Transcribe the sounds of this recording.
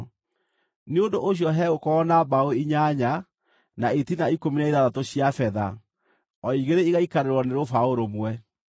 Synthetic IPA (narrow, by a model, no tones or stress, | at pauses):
neondoʔoɕ̬jɔɦɛokɔːnabaoiɲaɲa | naetinaikominaiðaðatoɕjafɛða̰ | ɔiɣeɾeiɣaikaɾeɾwɔneɾofaoɾomwɛ